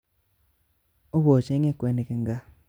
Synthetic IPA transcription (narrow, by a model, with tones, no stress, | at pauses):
o˦bo˨t͡ʃe˦ŋe˦kwe˨ne˨ke˨ŋɡa˦